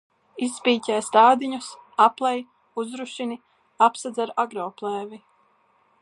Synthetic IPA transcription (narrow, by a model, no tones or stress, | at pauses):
isːpiːcʲɛːst̪aːd̪iɲusaplˠɛj | uzɾuʃini | apsad̪zaɾaɡɾɔːplˠɛːvi